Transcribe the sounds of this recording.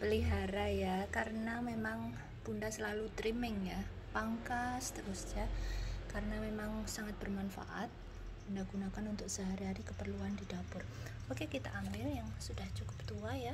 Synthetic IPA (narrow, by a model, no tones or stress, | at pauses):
pəliɦaɾajakaɾənamemaŋ | b̥undasəlalut̪ɾimɪŋja | paŋkast̪əɾusd͡ʒakaɾənamemaŋsaŋat̪̚bərmanfa̰ʔat̪̚ | bundaɡ̥unakanunt̪ʊk̚z̥aɦaɾaɾikəpərluandidapʊrbokekit̪a̰ʔambɪljaŋsudaht͡ʃukʊ̥p̚t̪uaja